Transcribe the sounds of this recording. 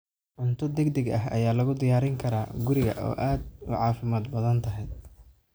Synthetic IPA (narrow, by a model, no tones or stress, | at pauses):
ʕʊnt̪ʰʊd̪ɛɡd̪ɐɡɐɦɐ̰jaːlɐɣʊd̪ɪjaːɾɪŋkʰɐɾaːɡʊɾɪɣɐ̰ʔɔ̰ːʔaːd̪ʊ̰ʕɑːfɪmaːd̪bɐðɐnt̪ʰɐɦɛjd̪